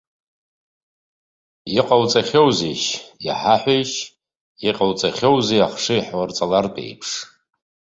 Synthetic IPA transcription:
iqʼawt͡sʼaχʲowzejʃjḭħaħʷajʃ | iqʼawt͡sʼaχʲowzejaχʂɨjħwart͡sʼalartʼḛjpʰʂ

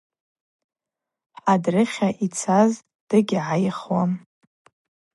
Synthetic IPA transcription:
adrɨχʲaʔit͡sʰaz | d̥ɨɡʲʕajχwam

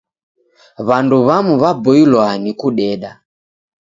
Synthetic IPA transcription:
βanduβamuβabɔilwanikuɗɛɗa

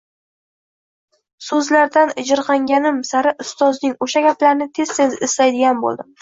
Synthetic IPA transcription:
sɵzlaɾd̪anɪd͡ʒɪɾqɑŋɡʲanɪmsaɾɪʔʊst̪ɒznɪŋoʃaɡʲaplaɾnɪt̪ʰe̞z̥se̞zɪslajd̪ɪɡʲanbo̰lˠd̪ɪm

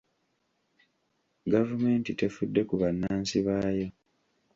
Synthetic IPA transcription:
ɡavume̞ːntite̞fudːe̞kuβanːaːnsiβaːjo̞

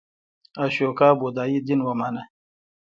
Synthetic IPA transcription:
aɕokaːbod̪aːjid̪inwamana

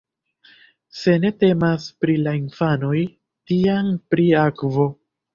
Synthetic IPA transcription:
se̞ne̞te̞maspɾilainfano̞j | tianpɾiakvo̞

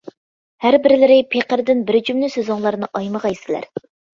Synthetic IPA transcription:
hæɾbɪɾɪlɪɾɪpʰeqəɾd̪ɪnbɪɾd͡ʒymlɪsøzʊŋlˠɑɾnɨʔɑjməʁɑjisɪlæ̰ɾ

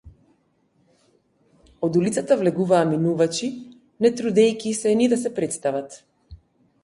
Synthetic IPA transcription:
od̪ulit̪sat̪avlɛɡuvaːminuvat͡ʃi | nɛt̪ɾud̪ɛjkʲisɛnid̪asɛpɾɛt̪st̪avat̪

